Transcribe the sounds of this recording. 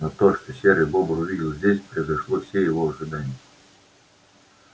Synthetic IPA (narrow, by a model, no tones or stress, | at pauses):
not̪oʂt̪osʲeɾəjbobəʊvʲidʲɪlˠzʲdʲesʲpɾəjɪzɐʂlˠofsʲejɪvoɐʐɨd̪anʲɪjə